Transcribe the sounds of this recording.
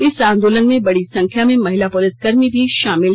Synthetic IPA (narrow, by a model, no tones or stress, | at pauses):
ɪsãːnd̪oːlənmẽbɐɽisɐ̃ŋkʰjamẽmɐɦɪlapʊlɪsɡɐɾmibʱiʃaːmɪl